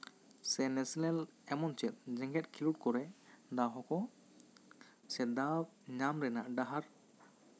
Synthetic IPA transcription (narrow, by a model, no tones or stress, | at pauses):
sɛnɛsilɛlɛmɔnt͡ʃɛt̪̚ˀd͡ʒɛ̃ŋɡɛt̪̚kʰiluʈ̚kɔɾɛd̪aɦɔkɔ | sɛd̪ab | ɲamɾɛnaʔɖaɦaɾ